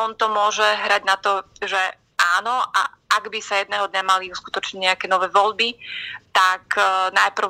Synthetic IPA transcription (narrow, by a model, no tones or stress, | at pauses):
ɔnt̪ɔmʊɔʒɛɦɾaɟnat̪ɔʒɛ | ʔaːnɔʔa̰aɡbisajɛd̪̚nɛːɦɔd̪ɲamaliusku̥t̪ɔt͡ʃɲiɲɛakɛːnɔʋɛːʋɔʎbit̪aknajpr̩